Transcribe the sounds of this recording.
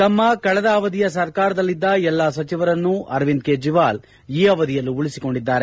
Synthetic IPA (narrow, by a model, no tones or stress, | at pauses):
t̪ɐmːɐkɐɭɐd̪ɐːʋɐd̪ijɐsɐɾkaːɾɐd̪ɐlːid̪ːɐɛlːaːsɐt͡ʃiʋɐɾɐnːuʔɐ̰ɾʋind̪̚keːd͡ʒiʋaːl | iːɐʋɐd̪ijɐlːuuɭisiko̞ɳɖid̪ːaːɾe̞